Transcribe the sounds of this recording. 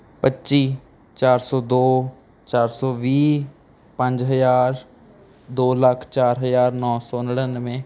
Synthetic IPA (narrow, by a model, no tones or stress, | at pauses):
pətːʃiː | t͡ʃaːɾsɔːd̪oː | t͡ʃaːɾsɔːʋiː | pə̃ɲd͡ʒɦəjaːɾ | d̪oːləkʰt͡ʃaːɾɦəjaːɾnɔːsɔːnəɽənmẽː